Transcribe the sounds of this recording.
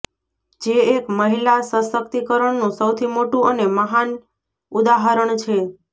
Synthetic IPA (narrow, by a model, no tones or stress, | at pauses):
d͡ʒeːkməɦilasəsək̚t̪ikəɾəɳnũsəwt̪ʰimoʈũəneməɦan | ud̪aɦaɾəɳt͡ʃʰe